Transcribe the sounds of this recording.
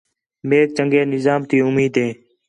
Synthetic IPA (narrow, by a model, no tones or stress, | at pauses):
meːk̚t͡ʃəŋɡeːnɪzaːmt̪iːʊmiːd̪ẽː